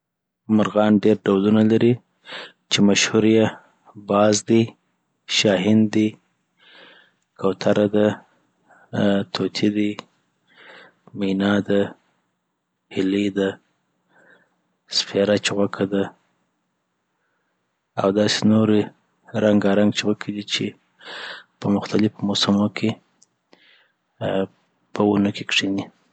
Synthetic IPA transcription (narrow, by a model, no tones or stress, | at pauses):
mʊɾɣɑnɖeɾɖawlunalaɾi | t͡ʃemaʃhuɾje | bɑzd̪i | ʃɑɦɪnd̪i | kʰawt̪ʰaɾʔad̪a | t̪ʰot̪ʰid̪i | minɑd̪a | hɪled̪a | sfeɾat͡ʃeɣwakʰad̪a | a̰wd̪ɑsenoɾe | ɾaŋɡaɾaŋɡt͡ʃeɣwakʰid̪it͡ʃe | pəmʊxt̪alɪfmosamokʰe | pʰəunəkekʂini